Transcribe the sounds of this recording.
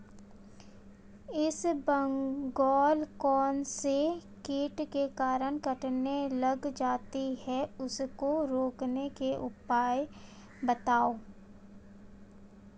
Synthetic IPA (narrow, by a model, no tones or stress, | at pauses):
ɪsbə̃ŋɡɔːlkɔːnsekeːʈkekaːɾəɳkəʈnelɐɡd͡ʒaːt̪iɦɛʊskoɾoːknekeʔʊpaːj | bɐt̪aːoː